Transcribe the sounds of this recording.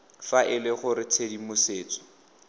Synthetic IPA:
faʔɪlɪχʊɾɪt͡sʰedimʊseːt͡sʼɔ̥

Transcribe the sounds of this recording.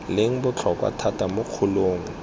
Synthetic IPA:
leŋ̩bʊt͡ɬʰɔkwa̰tʰatamʊq͡χʰʊloːŋ̩

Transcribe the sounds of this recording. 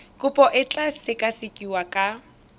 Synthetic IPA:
kʼʊpʼɔʔɪt͡ɬʼasɪkʼasɪkʼiwakʼa

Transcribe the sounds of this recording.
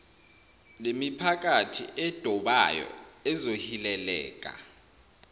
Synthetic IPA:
lemipʰak̬ʼatʰḭʔɛd̥ʱɔɓa̰jɔ̰ɛzohilɛlɛ̰ːk̬ʼa̰

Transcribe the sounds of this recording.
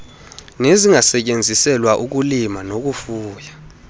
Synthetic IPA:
neziŋasɛk̬ʼend͡zʱisɛlwaʔuk̬ulimanok̬ufuːja

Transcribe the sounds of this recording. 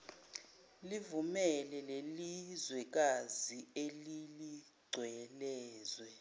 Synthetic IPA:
livumɛlɛlelizwɛk̬azielili | ɡ͡ǀʱwɛlɛːzwɛ

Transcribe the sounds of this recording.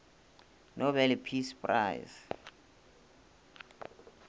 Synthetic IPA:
nobɛlpʰispʼra̰js

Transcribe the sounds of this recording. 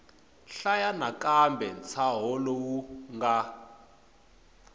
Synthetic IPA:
ɬajanakʼambʱɛnt͡sʰaɦɔlɔwuŋɡa

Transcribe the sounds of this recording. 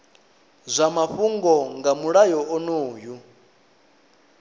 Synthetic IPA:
zʷamaɸuŋɡɔŋɡamuɺajɔɔnoːju

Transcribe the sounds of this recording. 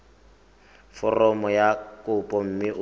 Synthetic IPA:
fɔrɔmɔjakʼʊpʼɔm̩mɪʔʊ

